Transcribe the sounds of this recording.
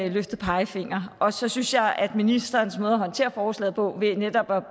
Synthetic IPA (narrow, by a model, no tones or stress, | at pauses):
løfd̥ð̩ˠpʰɑ̈ɪəfe̝ŋ̰ɐɒ̽sɒ̽synsjɑ̈ɪʔæd̥minisd̥ɐnsmɔːð̞̩ˠɐɦɒ̽nt͡sʰe̝̰ːɐfɒːslɛ̰ð̩ˠpʰɒ̽ʋe̝ned̥ɒ̽b̥